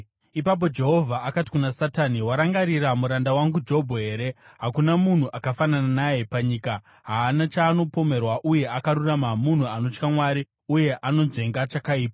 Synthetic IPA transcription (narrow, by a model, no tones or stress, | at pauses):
ipap̬o̞d͡ʒe̞ɦo̞vʱaːkati̥kunasataniwaɾaŋɡaɾiramuɾandawaŋɡud͡ʒeɦobʱoɦe̞ːɾe̞ɦakunamun̤uʔakafanananajepaɲiːka | ɦaːnat͡ʃaːno̞po̞me̞rwaʔuje̞ʔakaɾuramamun̤uano̞t͡ʃkamwaɾi | uje̞ʔano̞ʐe̞ŋɡat͡ʃakaiːpa